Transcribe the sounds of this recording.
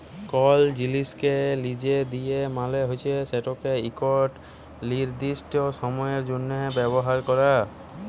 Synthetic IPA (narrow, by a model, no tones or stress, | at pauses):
kɔld͡ʑiliskelid͡ʑed̪ijemaleɦojt͡ɕʰeseʈokeikɔʈ | liɾd̪isʈosɔmɔjeɾd͡ʑonːɔbɛbɔɦaɾkɔɾa